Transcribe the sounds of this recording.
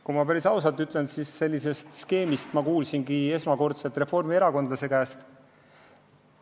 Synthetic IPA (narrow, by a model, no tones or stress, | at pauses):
kumɑpæɾisɑwsɑt̪ːˑyt̪lensisːe̞lʲːise̞st̪ske̞ːmist̪mɑkuːlsinɡie̞smɑko̞rt̪selt̪ˑre̞fo̞rmie̞ɾɑko̞nd̪lɑse̞kæːst̪